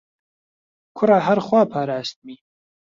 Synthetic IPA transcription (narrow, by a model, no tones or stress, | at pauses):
kʰʊraːɦɐɾxwaːpʰaːɾaːst̪̚miː